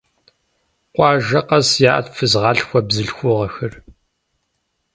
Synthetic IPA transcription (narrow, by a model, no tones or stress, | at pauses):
qʷɑːʒɐqɐsjaːʔɐ̰tfɨzʁɑːɬxʷɔbzɨɬxʷʊʁɐxɨr